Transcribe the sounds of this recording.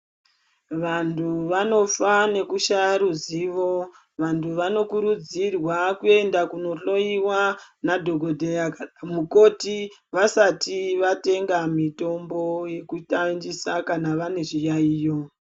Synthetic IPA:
ʋantʰuʋano̞fane̞kuʃaɾuziʋo̞ | ʋantʰuʋano̞kuɾud͡zirwakue̞ndakuno̞ɬo̞iwanadʱo̞ɡʱo̞dʱeamuko̞tiʋasatiʋate̞ŋɡamito̞mbo̞je̞kutand͡ʒisakanaʋane̞ʐijaiːjo̞

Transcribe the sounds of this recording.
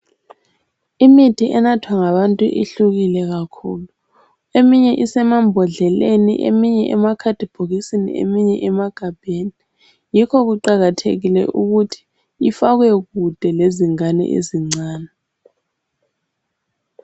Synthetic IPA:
imitʰiʔɛnatʰwaŋaβantʼuʔiɬuɣilɛɣakʰṵːlu | emiɲɛʔisɛmambʱɔɮɛlenḭʔḛmiɲɛʔɛmakʰad̥ʱib̥ʱoɣisinḭḛmiɲɛʔɛmaɡ̥ʱab̥ʱeːni | jikʰɔɣuǃaɣatʰḛɣilɛ̰ʔuɣutʰi̥ | ifaɣwɛɣud̥ʱɛleziŋanɛ̰ʔḛziŋ͡ǀaːnɛ

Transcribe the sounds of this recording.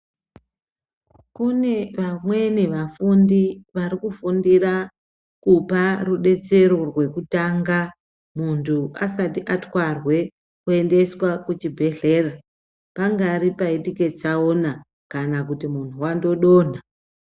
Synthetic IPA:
kune̞ʋamwe̞neʋafundiʋaɾikufundira | kuparuɗe̞t͡se̞ɾo̞rwe̞kutaŋɡa | muntʰuasatiʔatwarwe̞ | kue̞nde̞swakut͡ʃibʱe̞ɮe̞ːra | paŋɡaɾipaitike̞t͡saona | kanakutimuntʰuwando̞ɗo̞ːn̤a

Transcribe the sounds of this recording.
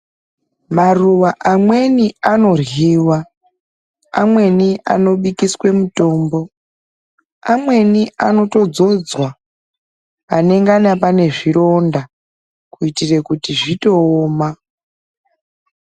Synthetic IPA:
maruwaʔamwe̞niano̞rɣiwa | amwe̞niʔa̰no̞ɓikiswe̞muto̞ːmbo̞ | amwe̞niano̞to̞d͡zo̞d͡zwa | ne̞ŋɡanapane̞ʐiro̞nda | kuitire̞kutiʐito̞ːma

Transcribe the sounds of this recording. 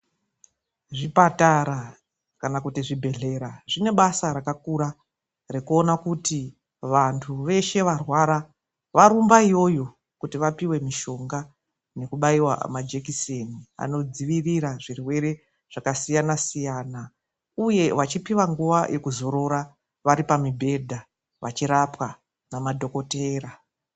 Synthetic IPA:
ʐipataɾa | kanakutiʐibʱe̞ɮe̞ɾaʐine̞ɓasaɾakakuɾa | rekuo̞nakuti | ʋantʰuʋe̞ʃe̞ʋarwaɾa | ʋaɾumbaijo̞jo̞ | kutiʋapiwe̞miʃo̞ŋɡa | ne̞kuɓaiwa̰mad͡ʒekisenia̰no̞d͡ziʋiriɾaʐirwe̞ɾe̞ | ʐ̥akasijanasijaːna | uje̞ʋat͡ʃipiwaŋɡuʋajʔe̞kuzo̞ɾo̞ɾa | ʋaɾipamibʱe̞dʱa | ʋat͡ʃiɾapwa | namadʱo̞ko̞teːɾa

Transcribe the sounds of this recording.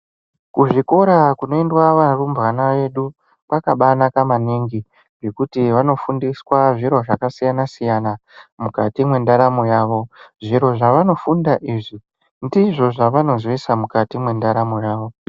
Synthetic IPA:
kuʐiko̞ɾakuno̞endwaʋarumbɣanaʋe̞ɗu | pakaɓanakamaniŋɡi | ŋɡe̞kutiʋano̞fundiswaʐiɾo̞ʐakasijanasijanamukatimwe̞ndaɾamojaːʋo̞ʐiɾo̞ʐaʋano̞fundaʔiːʐi | ndiʐo̞ʐaʋano̞zwisamukatimwe̞ndaɾamojaːʋo̞

